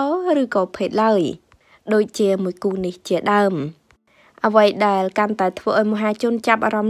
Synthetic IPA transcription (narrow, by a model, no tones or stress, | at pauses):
ɔːrɨːkɑːpʰeːt̪̚laəj | ɗoːc̚t͡ɕiəmuəjkuːniht͡ɕiəɗaəm | ʔəʋəjɗaɛlkant̪aɛt̪ʰʋəːʔaɔjmŏɦaːt͡ɕʊ̆ənt͡ɕap̚ʔa̰ːɾɑm